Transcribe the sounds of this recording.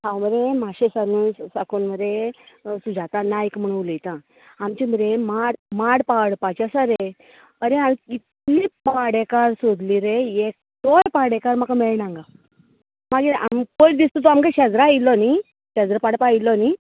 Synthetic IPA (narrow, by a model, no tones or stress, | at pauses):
hãwməɾemaɕesanuːnsakonməɾesud͡zat̪anaikm̤əɽ̃uʋləjt̪ã | amt͡ɕiməɾemaɽmaɽpaɽpat͡ɕasaɾe | əɾeamikit̪lipaɽekaɾsod̪liːɾeek̚t̪ɔlpaɽekaɾmakameɭnãŋɡa | maɡea̰mpod̪ist̪ɔt̪ɔamkaɕɛd͡zɾailːɔni | ɕad͡zɾapaɽpailːɔni